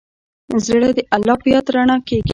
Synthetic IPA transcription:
zɽad̪əʔalːɑpəjɑt̪ɾaɳakeɡi

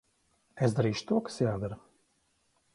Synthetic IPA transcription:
ezd̪aɾiːʃʊ̥t̪uɔkḁsjaːd̪aɾu

